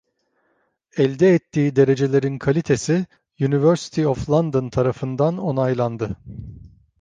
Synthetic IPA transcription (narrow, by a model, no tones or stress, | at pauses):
ɛlʲd̪ɛːt̪ːiːd̪e̞ɾe̞d͡ʒe̞lʲe̞ɾinkʰalʲit̪ʰe̞si | jynivøɾsi̥t̪ʰioflˠand̪ont̪ʰaɾafɯnd̪ano̞najlˠand̪ɯ